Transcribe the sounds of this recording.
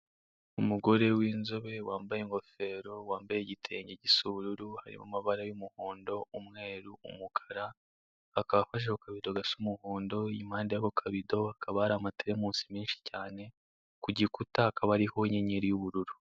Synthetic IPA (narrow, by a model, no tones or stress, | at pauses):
umuɡo̞ɾe̞wiːnzo̞βe̞waːmbajeŋɡo̞fe̞ːɾo̞waːmbajeɟitʰe̞ːɲɟeɟisuβuɾuɾuhaɾḭma̰maβaɾajumuhoːndo̞umŋe̞ːɾuṵmukʰḁɾa | akaβafaʃ̬ehokaβido̞ɡasumuhoːndo̞imhaːndejaβokʰaβido̞akaβaaɾamateɾemuːsi̥miːnʃi̥caːne̞ | kuɟikutahakʰaβaɾiho̞ɲeɲeɾijuβuɾuɾu